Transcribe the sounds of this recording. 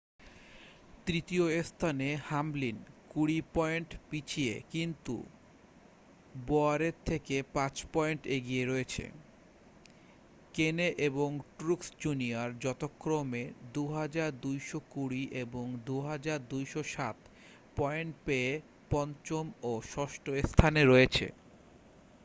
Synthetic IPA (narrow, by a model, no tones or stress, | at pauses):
t̪ɾit̪ioest̪ʰanehamlinkuɽipɔeɳʈpit͡ɕʰiḛkint̪ṵ | boaɾeɾt̪ʰekepãt͡ɕpɔeɳʈeɡieɾoet͡ɕʰḛ | keneʔeboŋʈɾuksd͡ʑuniaɾd͡ʑɔt̪okːɾomed̪uɦad͡ʑaɾd̪ujʃokuɽiʔeboŋd̪uɦad͡ʑaɾd̪ujʃoʃat̪ | pɔeɳʈpee | pɔnt͡ɕomoʃɔʃʈoest̪ʰaneɾoet͡ɕʰḛ